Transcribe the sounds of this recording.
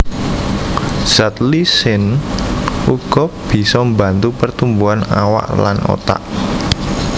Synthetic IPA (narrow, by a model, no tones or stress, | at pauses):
z̥at̪lisɪn | uɡ̥ɔ̤b̥i̤sɔmbant̪upərt̪umbuana̰wa̰ʔla̰no̰t̪a̰ʔ